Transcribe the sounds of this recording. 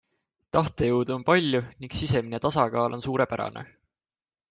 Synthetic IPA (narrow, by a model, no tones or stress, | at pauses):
t̪ɑht̪ejuwd̪uonpɑlʲjuniŋɡsise̞mine̞t̪ɑsɑkɑːlʔo̞nsuːɾe̞pæɾɑ̰nʔḛ